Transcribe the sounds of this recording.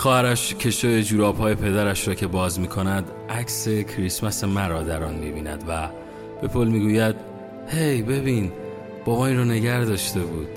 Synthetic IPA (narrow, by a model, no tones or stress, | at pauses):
xɒːhæɾæʃcʰe̞ʃojed͡ʒuːɾɒːbhɒːje̞pʰe̞d̪æɾæʃɾɒːcʰe̞bɒːzmiːkʰo̞næd̪ | ʔækse̞cʰɾismæse̞mæɾɒːd̪æɾɒnmibiːnæ̰d̪væ | b̥e̞pʰolmiːɡuːjæd̪̥̚ | he̞jbe̞biːn | b̥ɒːbɒːiːnrɒːne̞ɟæɾd̪ɒːʃt̪e̞buːd̪̥